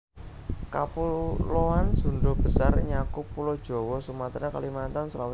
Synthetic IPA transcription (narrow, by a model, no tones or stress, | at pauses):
ka̰puloansuɳɖɔb̥ə̤sarɲakʊpːulɔd̥ʒ̥ɔ̤wɔsumat̪ɾakalimat̪ansəlaw